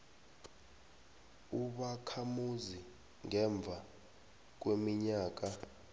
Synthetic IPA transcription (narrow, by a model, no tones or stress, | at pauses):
uɓakʰamuzi | ŋɛɱb̪vʱa | k̬wemiɲaːk̬a